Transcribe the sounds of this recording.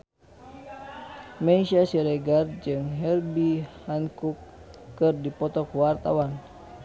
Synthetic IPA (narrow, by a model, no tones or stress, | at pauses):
meisasiɾɛɡard͡ʒɨŋɦɛrbihankukːɨrdipɔt̪ɔkuwart̪awan